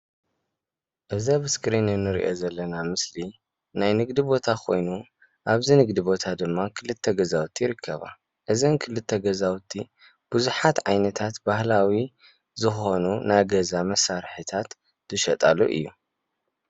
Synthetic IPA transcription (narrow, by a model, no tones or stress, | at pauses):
ʔɨzabɨskɾinɨnːɨɾḭʔo̞̰zɐlːɐnamɨsli | najnɨɡd̪ibo̞t̪ʰakʰo̞jnu | ʔaβzinɨɡd̪ibo̞t̪ʰad̪ɨmːakʰɨlɨt̪ʰːɐɡɐzawt̪ʰːijɪɾɨkʰːɐ̰βa̰ | ʔɨzɐnkʰɨlɨt̪ʰːɐɡɐzawt̪ʰi | b̥uzuħat̪ʕajnɐt̪ʰat̪bahlawi | zɨxo̞nunajɡɐzamɐsːaɾħɨt̪ʰat̪ː | ɨʃɐt̪ʼa̰luʔɨ̰jːu